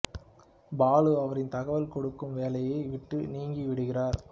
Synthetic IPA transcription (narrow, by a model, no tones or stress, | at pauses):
baːɭɯɐʋɐɾɪnt̪ɐɣɐʋɐlkɔɽɯkːɯmʋeːlɐjeɪʋɪʈːɯniːŋɡiʋɪɽɯɣɪraːɾ